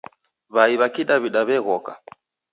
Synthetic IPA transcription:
βaiβakiɗaβiɗaβɛɣɔka̰

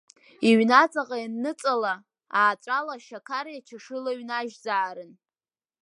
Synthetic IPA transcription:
iɥnat͡sʼaqajanːɨt͡sʼala | aːt͡ʃʷʼalaʃakʰaɾjat͡ʃʰaʂɨlaɥnaʒd͡zaːɾɨn

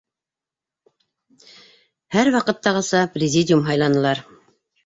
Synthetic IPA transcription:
hæɾwɑqɤ̆t̪ːɑʁɤ̆sɑprʲɪzʲidʲjumɦɑjlˠɑnɤ̆lˠɑɾ

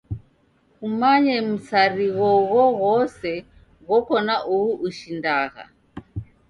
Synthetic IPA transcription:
kumaɲɛm̩saɾiɣɔɣɔɣɔsɛ | ɣɔkɔnaʔuhuʔːʃindaɣa̰

